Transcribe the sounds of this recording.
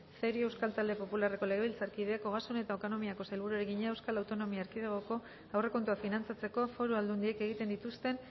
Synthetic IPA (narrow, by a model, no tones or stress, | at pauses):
seɾie̞wskalt̪ald̪e̞po̞pulareko̞leɣeilt͡saɾkið̞eakoɣasune̞t̪aot̪ono̞miako̞salβuɾuɾeɣiɲeewskalawt̪o̞no̞miaːɾkiðeɣ̞oko̞ | awre̞ko̞nt̪uafinant͡sat͡se̞ko̞fo̞ɾuald̪und̪ie̞ke̞ɣ̞it̪end̪it̪ust̪e̞n